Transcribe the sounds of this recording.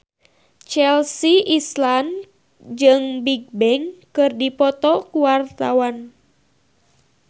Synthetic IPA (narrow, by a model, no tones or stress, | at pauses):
t͡ʃɛlsiʔislan | d͡ʒɨŋbiɡ̚bɛŋkɨrdipɔt̪ɔkuwart̪awan